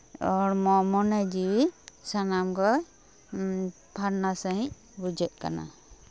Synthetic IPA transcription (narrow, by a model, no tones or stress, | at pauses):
ɔɾmɔmɔnɛd͡ʒiwisanamɡɔ | pʰaɾnasaɦĩ | bud͡ʒɛʔ̚ˀka̰na̰